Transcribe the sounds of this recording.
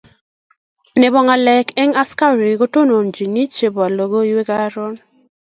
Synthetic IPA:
ne˨bɔ˨ŋa˨lɛ˨kɛ˦ŋa˦ska˦ɾi˨ɡo˦to˦no˨nd͡ʒi˨ni˦t͡ʃe˨bo˨a˨lo˨ɡo˦i˦we˦ɡa˦ɾɔ˦n

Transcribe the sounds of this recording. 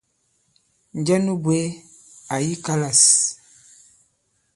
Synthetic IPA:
n˨d͡ʒɛ˦nu˦bwe˦ | a˨ji˦ka˦la˨s

